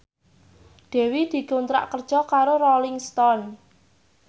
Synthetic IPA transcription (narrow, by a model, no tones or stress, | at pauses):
d̪̥ɛ̤wid̪̥i̤kunt̪ɾa̰ʔkərd̥ʒ̥ɔ̤kaɾoɾɔlɪŋst̪ɔn